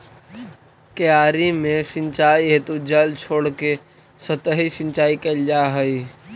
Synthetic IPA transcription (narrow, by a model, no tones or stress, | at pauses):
kəjaːɾimẽsɪ̃nt͡ʃaːiɦet̪ud͡ʒəlt͡ʃʰoːɽke | sət̪əɦisɪ̃nt͡ʃaːikəld͡ʒaɦəi